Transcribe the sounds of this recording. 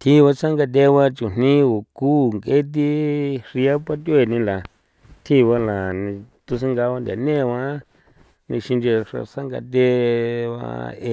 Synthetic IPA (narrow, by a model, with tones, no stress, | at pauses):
t̪ʰi˧βa˧t͡sa˦ŋɡa˧t̪̬ʲe˧˦βa˧t͡ʃu˨n̥nĩ˦o˨ku˦˨ŋke˦t̪̬i˦ʂi˧a˦pa˦t̪̬ʲe˧˨nĩ˧la˨ | t̪ʰi˧βa˧la˨nĩ˧t̪u˧s̬ĩ˧ŋɡa˧wa˧nd̪ʲa̰˨nẽ˦˨˧wã˧˦ | nĩ˧ʃĩ˧nd͡ʒe˧ʂa̰˧sa˦ŋɡa̰˧t̪ʲe˦βa̰˧e˧˨